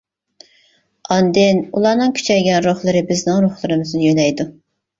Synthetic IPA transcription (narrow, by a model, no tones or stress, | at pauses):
ɑnd̪ɪnulˠɑːnɨŋkʲʰy̥t͡ʃʰɛjɡʲɛnɾoχlˠɨɾɨbɪznɪŋɾoχlˠɨɾɨmɨznɪjønɛjd̪u